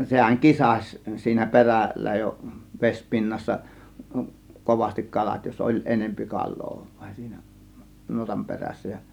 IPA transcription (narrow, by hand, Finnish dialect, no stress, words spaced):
sehæŋ kisɑsʲ siːnæ perælˑæ jo ʋespinːɑsːɑ koʋɑstik kɑlɑt jos ʔolʲ enempi kɑlˑoː ʋ̥ɑ̥i̥n̥ si̥ːn̥æ̥ nuotɑm peræsːæ jɑ